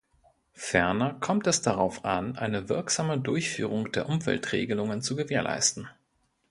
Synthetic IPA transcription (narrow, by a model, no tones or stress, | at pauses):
fɛɐnɐkʰɔmtɛsd̥aʁaʊfʔanʔa̰ɪnəvɪɐkz̥aːmədʊɐçfy̰ːʁ̞ʊŋd̥eːɐʔʊmvɛ̰ltʁ̥ḛːɡəlʊŋənt͡suɡəveːɐlʔa̰ɪstn̩